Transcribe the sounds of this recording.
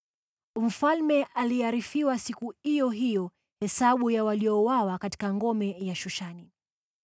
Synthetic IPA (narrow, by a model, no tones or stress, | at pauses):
m̩falmɛʔaliaɾifiwasikuijɔɦijɔ | hɛsaɓujawalijɔwawakati̥kaŋɡɔmɛjaʃuʃani